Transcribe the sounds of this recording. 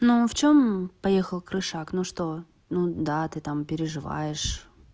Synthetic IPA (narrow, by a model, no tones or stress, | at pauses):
nuft͡ɕompɐjexəlˠkɾɨʂaknuʂt̪o | nud̪at̪ɨt̪ampʲɪɾʲɪʐɨva̰jɪʂ